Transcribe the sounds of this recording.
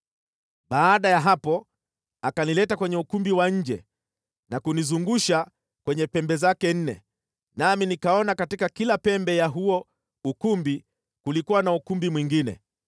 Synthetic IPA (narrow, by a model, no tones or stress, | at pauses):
ɓaːɗajaɦapɔ | akanilɛtakwɛɲɛukumbiwaɲ̩d͡ʒɛ̰ | nakunizuŋɡuʃa | kwɛɲɛpɛmbɛzakɛn̩nɛ̰ | naminikaɔnakatikakilapɛmbɛjaɦuɔ | ukumbi | kulikuwanaukumbimwiŋɡinɛ̰